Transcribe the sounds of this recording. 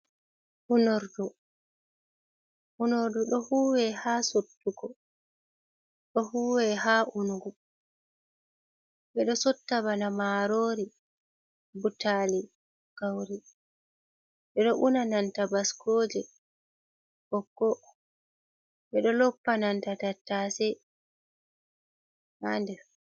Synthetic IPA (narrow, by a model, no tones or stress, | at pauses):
ʔunoɾdu | ʔunoɾduɗɔhuːwɛhaːsotːuɡɔ | ɗɔhuːwɛɦaːʔunuɡu | ɓɛɗɔsɔtːaβanamaɾoːɾi | butali | ɡ̥awɾi | ɓɛɗɔʔunanantabaskʰoːd͡ʒɛ | kɔkːɔ | ɓɛɗɔlɔpːanantatatːasɛ | ʔandɛɾ